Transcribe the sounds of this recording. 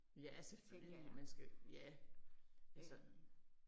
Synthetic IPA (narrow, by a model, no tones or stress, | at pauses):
jæseføl̰imænsɡ̥æjæ | æsɒ